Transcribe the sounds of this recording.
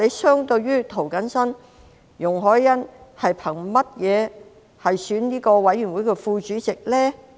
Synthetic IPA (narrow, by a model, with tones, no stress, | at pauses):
e˨˧jsœː˥ŋt̪ɵ˧ɥɥyː˥t̪ʰo˨˩wkɐ˨˥nsɐ˥n | jʊ˨˩ŋɦɔː˨˥jːɐ˥nhɐ˨jpʰɐ˨˩ŋmɐ˥t̚jɛː˨˧ | hɐ˨jsyː˨˥nniː˥kɔː˧wɐ˨˥jːyː˨˩nwuː˨˥jkɛː˧fuː˧t͡ʃyː˨˥t͡sɪ˨k̚lɛː˥